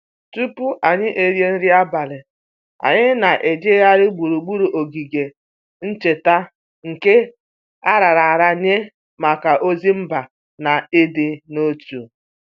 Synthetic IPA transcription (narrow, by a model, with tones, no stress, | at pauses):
tu˦pu˦ʔa˨ɲɪ˦ʔe˨ɾje˦n̩˦ɾi˦a˦ba˨lɪ˨ | a̰˨ɲɪ˦na˨ʔe˨d͡ʒe˦ja˦ɾɪ˦ɡ͡bu˨ɾu˨ɡ͡bu˦ɾu˨ʔo˨ɡi˨ɡe˨ | n̩˦t͡ʃe˨ta˦ | ŋ̩˨ke˦ | a˦ɾa˨ɾa˨ɾa˨ɲe˦ | ma˨ka˨ʔo˦zi˦m̩˦ba˨ | na˨e˦de˨no˦tu˨